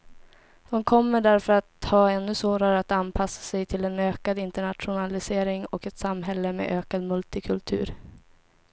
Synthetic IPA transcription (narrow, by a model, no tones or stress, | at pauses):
d̪̥ɔmkʰɔmːəɖæɾfœɾat̪hɑːɛnːɵsvoːɾaɾəat̪anpʰasːḁsɛjt̪ʰɪlɛnøːkad̪ɪnt̪əɳat̪ɧʊnalɪseːɾɪŋɔ̰kɛt̪samɦɛlːəmḛʔøːkad̪mɵlt̪ɪkʰɵlt̪ʰʉ̟̰ːɾ